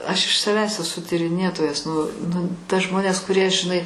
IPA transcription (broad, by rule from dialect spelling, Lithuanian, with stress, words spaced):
ɐʃ ɪʃ sɐˈʋʲæːs ɛˈsʊ tʲiːrʲɪˈnʲeːtoːjɛs nʊ nʊ tɐ ˈʒmoːnʲeːs kʊˈrʲiɛ ʒʲɪˈnɐɪ